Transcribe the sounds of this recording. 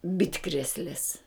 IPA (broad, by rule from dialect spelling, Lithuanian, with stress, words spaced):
ˈbʲɪtkrʲeːsʲlʲeːs